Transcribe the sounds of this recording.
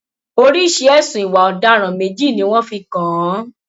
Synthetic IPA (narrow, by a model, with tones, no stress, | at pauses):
o˧ɾi˦˨ʃe˧˦ɛ˦˨sũ˨i˨wa˨ɔ˨da˨˦ɾ̃ã˨me˨˧d͡ʒi˦˨nĩ˧˦w̃ɔ̃˦fi˧kã˨˦